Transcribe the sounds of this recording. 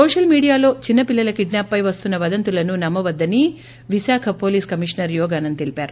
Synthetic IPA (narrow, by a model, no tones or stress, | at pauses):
soːʂɐlmiːɽijaːlo̞ːt͡ʃinːɐpilːɐlɐkiɖnaːpːɐjʋɐst̪unːɐʋɐd̪ɐnt̪ulɐnunɐmːɐʋɐd̪ːɐni | ʋisaːkʰɐpo̞ːliːskɐmiʂnɐɾjɔːɡaːnɐnt̪elipaːɾu